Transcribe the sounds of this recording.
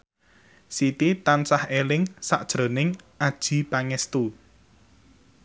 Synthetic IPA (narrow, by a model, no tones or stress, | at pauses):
sit̪it̪ansahelɪŋsaʔd̥ʒ̥ɾo̤nɪŋʔad̥ʒ̥i̤paŋɛst̪u